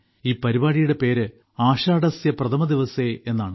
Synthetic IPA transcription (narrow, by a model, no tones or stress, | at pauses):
iːpɐɾibaːɽijuɽe̞pe̞ːɾɨ | aːɕaːɽɐsjɐprɐt̪ʰɐmɐd̪iʋɐse̞ːenːaːɳɨ